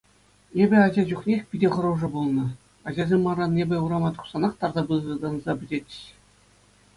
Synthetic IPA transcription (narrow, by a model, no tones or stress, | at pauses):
ebʲɘ̆ɑʑɑʑuχnʲexʲpʲidʲeχɤ̆ɾuʐɤ̆bulˠnɤ̆ | ɑʑɑzʲemʲːɑrɑnebʲɘ̆uɾɑmɑt̪u̥χsɑnɑχt̪ɑrd̪ɑbɯzrɤ̆d̪ɑnzɑbʲɘ̆dʲetʲɕ